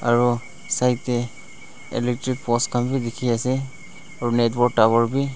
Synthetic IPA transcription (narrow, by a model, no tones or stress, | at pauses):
aɹu | sajtɛ | ɛ̰lɛk̚tɹik̚pɔskʰambidɛkʰiasɛ | aɹunɛtbɔɹɡ̚tabɔɹbi